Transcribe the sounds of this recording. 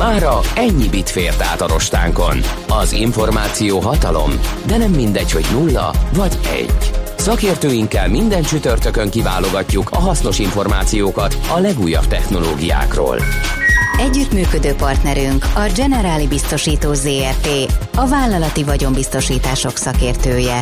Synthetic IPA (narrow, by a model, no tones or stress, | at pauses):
maːɾɒɛɲːibit̪feːrt̪aːt̪ɒɾo̞ʃt̪a̰ːŋko̞̰nɒziɱfo̞rmaːt̪sijoːɦɒt̪ɒlo̞̰md̪ɛnɛmːind̪ɛcho̞ɟnulːɒ̰vɒɟɛ̰ɟsɒkeːrt̪øːjiŋkːɛlmind̪ɛnt͡ʃyt̪ørt̪økøŋkiva̰ːlo̞ɡɒcːukʰɒɦɒsno̞ʃiɱfo̞rma̰ːt̪sijoːkɒt̪ɒlɛɡujːɒ̰b̥̚t̪ɛxno̞loːɡija̰ːkro̰ːl | ɛɟːyt̪myːkød̪øːpɒrt̪nɛɾyŋkɒd͡ʒɛnɛɾaːlibist̪o̞ʃiːt̪oːzeːɛp̪eːɒvaːlːɒlɒt̪ivɒɟo̞mbist̪o̞ʃiːt̪aːʃo̞ksɒkeːrt̪øːjɛ